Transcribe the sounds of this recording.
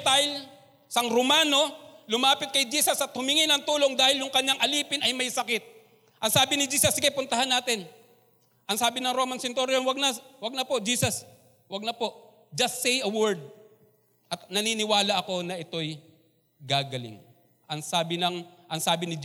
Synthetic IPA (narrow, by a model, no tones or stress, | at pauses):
t̪aɪl | sɐŋɾomaːno̞lʊmaːpɪt̪̚kɐjd͡ʒiːsɐsɐt̪hʊmɪŋɪnɐŋt̪uːlo̞ŋd̪aːhɪljʊŋkɐɲːaŋʔɐliːpɪnɐjmɐjsɐkɪt̪̚ | ʔɐŋsaːbɪnɪd͡ʒiːsɐsɪkɐjpʊnt̪ɐhɐnːaːt̪ɪn | ʔɐŋsaːbɪnɐŋɾoːmɐnsɪnt̪oɾjonwɐɡ̚nɐwɐɡ̚nɐpo̞ʔd͡ʒiːsɐs | wɐɡ̚nɐpo̞ʔ | d͡ʒɐst̪sɛjɐwɛɹd̪̚ | ʔɐt̪nɐninɪwaːlɐʔɐko̞nɐʔɪt̪o̞j | ɡaːɡɐlɪ̰ŋ | ʔɐŋsaːbɪnɐŋʔɐŋsaːbɪnɪd͡ʒ